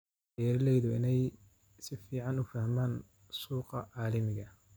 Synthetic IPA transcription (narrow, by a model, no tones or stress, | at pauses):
jɐɾɪlɛjðʊɪ̰nɛj | sɪfiːʕɑnʊfɐhmaːn | suːqɑʕɑːlɐmɪɣɐ